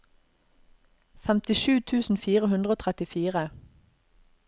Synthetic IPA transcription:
fɛmt̪ɪʃʉːt̪ʰʉːsn̩fiːʁəhʉnd̪ʁəoːt̪ʰʁɛt̪ɪfiːʁə

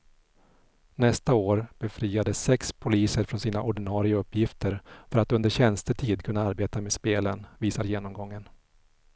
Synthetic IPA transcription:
nɛst̪aoːɾb̥ɛfɾiːad̪əsːɛkspʰʊliːsəɾfɾɔnsiːnaʔɔɖɪnɑːɾɪaɵpːjɪft̪ʰəɾfœɾat̪ɵnd̪əɾɕɛnst̪əʈʰiːd̪kʰɵnːaaɾbeːt̪ameːd̪speːlənviːsaɾjeːnɔmɡɔŋːən

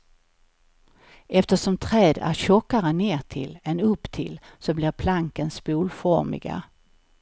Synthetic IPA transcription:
ɛft̪əʂɔmt̪ʰɾɛːd̪æ̰ɾɕɔkːaɾəneːʈʰɪ̰lɛnɵpːt̪ʰɪlsɔblɪɾpʰlaŋkənspuːlfɔɾmɪ̰ɡa̰

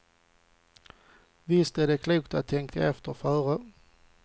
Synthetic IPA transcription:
vɪst̪æɖɛkʰluːk̚t̪at̪ʰːɛŋkʰa̰ɛft̪əɾfœːɾə

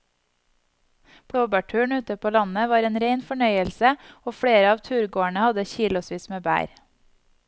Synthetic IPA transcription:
b̥ʰɽoːbæʈʰʉːɳʉːt̪əpʰoːlɑnəʋɑːɾeːnɾeɪnfɔɳœʏəlsəoːfɽeːɾəɑːʋt̪ʰʉːɾɡoːæɳəhɑd̪əçiːlʊsʋiːsmeːbæ̰ːɾ

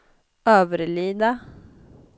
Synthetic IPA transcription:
øːʋəɾliːd̪ɑ

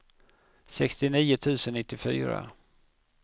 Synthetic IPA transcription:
sɛkst̪ɪniːʊt̪ʰʉ̟ːsənːɪt̪ːɪfy̰ːɾa̰

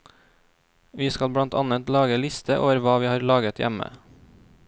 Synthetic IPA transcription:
ʋiːskɑlbɽɑnt̪ʰɑnət̪lɑːɡəlɪst̪ʰəʔo̰ːʋəɾʋɑːʋiːhɑːɾlɑːɡət̪jæ̰mə̰

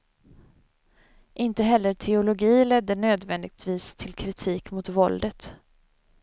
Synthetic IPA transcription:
ʔɪnt̪əɦɛlːəʈʰɛʊlʊɡiːlɛd̪ːəɳøːd̪vɛnd̪ɪɡ̚t̪viːst̪ʰɪlkʰɾɪt̪ʰiːkmʊt̪vɔld̪ət̪

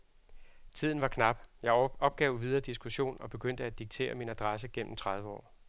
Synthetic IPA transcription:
t͡sʰið̞̰ˠn̩ʋɑ̈kʰnɑ̈b̥jɑ̈ɪɒ̽b̥̚ɡ̥ɛʊʋið̞ˠɐːd̥isɡ̥uɕo̝̰ːnɒ̽b̥e̝ɡ̥øn̰d̥əæd̥iɡ̥̚t͡sʰe̝̰ːɐminæd̥ʁɑs̬əɡ̥en̰m̩t͡sʰʁɑ̈ð̞ˠʋəɒ̰ː

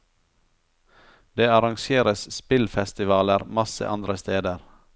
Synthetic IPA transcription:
d̪eːɑɾɑŋʃeːɾəsspɪlfɛst̪ɪʋɑːləɾmɑsə̰ʔɑnd̪ɾəst̪eːd̪əɾ

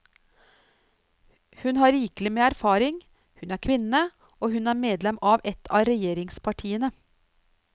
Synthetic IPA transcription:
hʉnhɑːɾiːklɪmeːæɾfɑːɾɪŋ | hʉnæːɾkʰʋɪnə | ʔoːhʉnæːɾmeːd̪lɛmɑːʋɛt̪ʰɑːɾɛjeːɾɪŋspʰɑʈʰiːənə

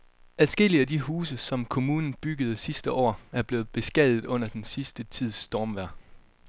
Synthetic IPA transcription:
æðˠsɡ̥e̝liædiɦuːs̬əsɒ̽mkʰo̝muːnn̩b̥yɡ̥əð̞̩ˠsisd̥əʔɒ̰ːæɐb̥le̝ːð̩ˠb̥e̝sɡ̥ɛðˠð̩ˠɔ̽n̰ɐd̥ensisd̥ət͡sʰið̰ˠsd̥ɒːmʋæɐ̰

